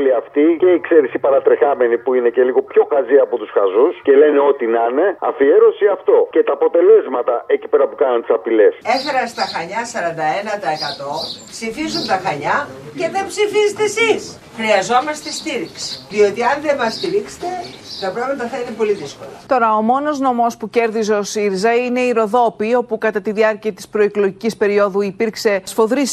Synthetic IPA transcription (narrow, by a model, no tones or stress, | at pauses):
liɐft̪iceiːkseɾisipɐɾɐt̪ɾexɐme̞nipuine̞ce̞liɣo̞pço̞xɐziɐpo̞t̪usxɐzusce̞le̞neo̞t̪inɐne̞ɐ̰fieɾo̞siɐft̪o̞ce̞t̪ɐːpo̞t̪e̞le̞zmɐt̪ɐʔecipeɾɐpukɐnunt̪i̥sɐpile̞seθeɾɐst̪ɐxɐɲɐsɐɾɐnd̪ɐe̞nɐt̪ɐekɐt̪o̞psifizunt̪ɐxɐɲɐce̞ðe̞mbsifizet̪esis | xɾiɐzo̞mɐst̪e̞st̪iɾiksi̥ðio̞t̪iɐnðemɐst̪iɾikse̥t̪e̞θɐpɾepinɐt̪ɐθennipo̞liðisko̞lɐt̪o̞ɾɐo̞mo̞no̞zno̞mo̞spuce̞ɾðizeosiɾizɐine̞iɾo̞ðo̞pio̞pukɐt̪ɐt̪iðiɐɾciɐt̪i̥spɾo̞iklo̞ʝicispe̞ɾio̞ðuipiɾkse̞sfo̞ðɾis